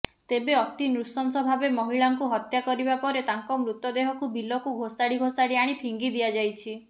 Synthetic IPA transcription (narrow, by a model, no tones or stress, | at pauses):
t̪ebeɔt̪inɾusɔnsɔbʱabemɔɦiɭaŋkuɦɔt̪jakɔɾibapɔɾet̪aŋkɔmɾut̪ɔd̪eɦɔkubilɔkuɡʱosaɽiɡʱosaɽiaɽ̃ipʰiŋɡid̪iad͡ʒajt͡ʃʰi